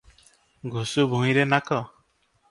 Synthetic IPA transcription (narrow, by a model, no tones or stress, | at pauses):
ɡʱusubʱuŋiɾenakɔ